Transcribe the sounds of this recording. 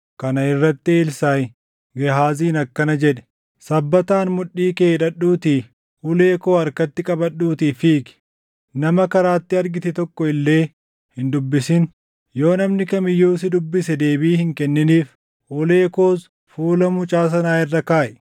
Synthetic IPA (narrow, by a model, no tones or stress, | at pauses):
kɐnɐɪrːɐt̪ːɪːlsaːj | ɡɛɦaːziːnɐkːɐnɐd͡ʒɛᶑɛ̥ | sɐbːɐt̪aːnmʊᶑːiːkeːᶑɐᶑːuːt̪iː | ʔʊle̞ːko̞ːɐɾkɐt̪ːɪkʼɐbɐɗːuːt̪iːfiːkɪ̥ | nɐmɐkɐɾaːt̪ːɪɐɾɡɪt̪ɛt̪ɔkːɔɪlːe̞ː | hɪnd̪ʊbːɪsɪn | jo̞ːnɐmnɪkɐmɪjːuːsɪd̪ʊbːɪsɛd̪e̞ːbiːhɪŋkɛnːɪniːf | ʊleːko̞ːs | fuːlɐmʊt͡ʃʼaːs̬ɐnaːɪrːɐkaːʔɛ